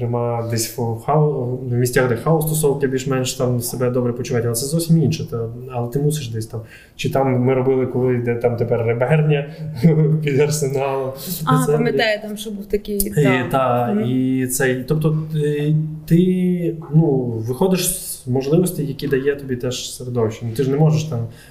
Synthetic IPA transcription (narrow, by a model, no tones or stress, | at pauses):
ɾɪmɑd̪ɛsʲxɑwmʲisʲtʲaxd̪ɛxaɔst̪ɔsɔwkɪbʲilʲʃmɛnʃt̪ɑmsebɛd̪ɔbɾɛpɔt͡ʃʊʋɑtʲɐlˠɛt̪ɛzɔwsʲiminʃɛt̪aɐlˠɛt̪ɪmusʲeʃd̪ɛsʲt̪am | t͡ʃɪt̪ɑmːɪɾɔbɪlˠɪkɔlˠɪjd̪ɛt̪ɑmt̪epɛrːebɛrnʲɐ | pʲid̪ɐrsenɑlˠɐsɛmmɪd̪ɛjt̪amʃɔbuwt̪ɐkʲɪjit̪ɑit̪sɛjt̪ɔp̚t̪ɔ | t̪ɪnuʋɪxɔd̪ɪʃs | mɔʒlˠɪʋɔsʲtʲijjɐkʲid̪ɐjɛt̪ɔbʲit̪ɛʃseɾed̪ɔwʃʲinut̪ɪʒnɛmɔʒeʃt̪ɑm